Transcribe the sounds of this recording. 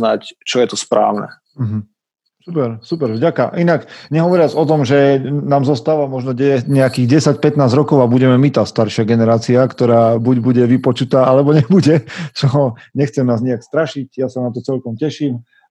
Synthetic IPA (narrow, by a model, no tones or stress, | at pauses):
nact͡ʃɔjɛt̪ɔspɾa̰ːʊnɛ̰ | m̩ɦm̩ | supɛɾsupɛɾvɟaka̰ʔinakɲɛɦɔʋɔɾɪad͡zɔt̪ɔmʒɛnaːmzɔst̪aːʋamɔʒnɔɛɲɛakiːɣɟɛsac̚pɛt̪naːzɾɔkɔʊabuɟɛmɛmit̪aːst̪aɾʃɪaɡɛnɛɾaːt͡siakt̪ɔɾaːbuɟbuɟɛʋipɔt͡ʃut̪aːalɛbɔɲɛbuɟɛt͡ʃɔɦɲɛxt͡sɛmnaːzɲɛjakst̪ɾaʃicjasanat̪̬ɔt͡sɛlkɔmcɛʃiːm